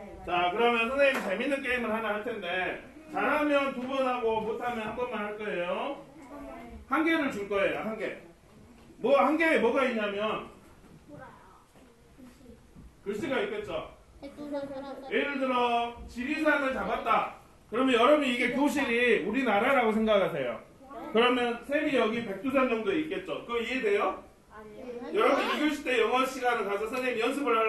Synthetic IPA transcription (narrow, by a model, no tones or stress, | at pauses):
t͡ɕakɯɾʌmjʌnsʰʌnait͡ɕeminːɯnk̬͈eimɯɭhanahaɭtʰe̞nde̞ | t͡ɕaɭɦamjʌntubʌnɦaɡomotʰamjʌnhanbʌnmanhaɭk͈ʌejo | haŋɡe̞ɾɯɭt͡ɕuɭk͈ʌe̞jo̰ɦaŋɡe | mʌhaŋɡeemwʌɡaiɲamjʌn | kɯs͈iɡaip̚k͈e̞t̚t͡ɕ͈o | jeɾɯɭdɯɾʌt͡ɕiɾisʰanɯɭt͡ɕabat̚t͈a | kɯɾʌmjʌnjʌɾʌbɯniɡe̞kjoɕ̬ʰiɾiuɾinaɾaɾaɡosʰeŋɡakkʰas̬ʰe̞jo̰ | kɯɾʌmjʌnsʰeɾijʌɡipe̞k̚t͈usʰand͡ʑʌŋdoeik͈e̞t̚t͡ɕ͈okɯiede̞jo | jʌɾʌbuniɡɯɭɕʰi̥t͈ejʌŋʌɕʰiɡanɯɭkasʰʌsʰʌnenjʌnsʰɯbɯɭa